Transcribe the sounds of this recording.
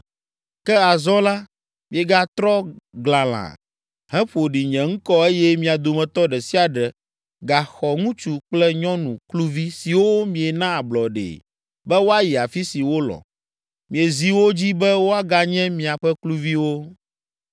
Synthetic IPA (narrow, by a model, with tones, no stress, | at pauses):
kɛ˦a˨zɔ˦la˦ | mĩ˨e˨ɡa˦t̪ɾɔ˦ɡla˨l̃ã̰˨ | hɛ̃˦ɸo˨ɖi˨ɲɛ̃˨ŋ̩̃˦kɔ˦e˦jɛ˦mĩ˨a˨d̪o˨mɛ̃˨t̪ɔ˦ɖɛ˨si˦a˨ɖɛ˨ | ɡa˨xɔ˨ŋũ˦t͡ʃu˦k͡plɛ˦ɲɔ̃˦nũ˨klu˦vi˦si˨wo˦mĩ˨e˨nã˦a˨blɔ˨ɖḛ˨ | bɛ˦wo˦a˦ji˨a˨fi˦si˨wo˦lɔ̰˨ | mĩ˨e˨zi˦wo˦d͡ʑi˦bɛ˦wo˦a˦ɡa˨ɲɛ̃˦mĩ˨a˨ɸɛ˦klu˦vi˦wo˦